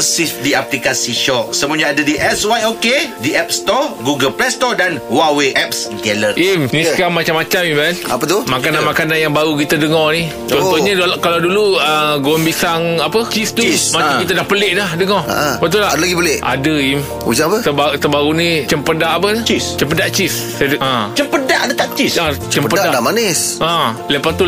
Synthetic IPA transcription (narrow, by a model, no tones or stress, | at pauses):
sidiaplikasiʃɔʔsəmuɔɲaadədiʔɛswajokediʔɛp̚st̪ɔɡuɡəlplɛst̪ɔdanwaweʔɛp̚sɡɛlərʔimnisəkamːat͡ʃamat͡ʃamimɛna̰pət̪umakananmakananjaŋbaɾuk̬it̪adəŋɔni | t͡ʃɔnt̪ɔɲəkalawduluəɡombisaŋapət͡ʃist̪usmaakit̪̬adahpəleʔdahdəŋɔa̰ʔpət̪̬ulahadalaɡipəleʔʔa̰dəim | ṵd͡ʒaŋapət̪əbat̪əbaɾunit͡ʃəmpədaʔapənit͡ʃist͡ʃəmp̬ədaʔt͡ʃis | ãt͡ʃəmpədaʔadət̪aʔt͡ʃisat͡ʃəmpəddadamanɪsãləpast̪u